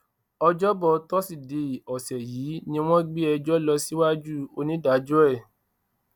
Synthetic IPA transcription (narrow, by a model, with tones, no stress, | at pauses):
ɔ˧d͡ʒɔ˦bɔ˧tɔ˦si˨de˨ɔ˨sɛ˨jiː˨˦nĩ˧w̃ɔ̃˦ɡ͡bi˦ɛ˧d͡ʒɔ˦lɔ˧si˦wa˦d͡ʒu˦o˧nĩ˦da˨˦d͡ʒu˦ɛ˦˨